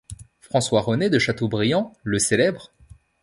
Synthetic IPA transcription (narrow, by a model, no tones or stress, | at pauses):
fχɑ̃swaʁəned̪əʃat̪obʁijɑ̃ləselɛbʁ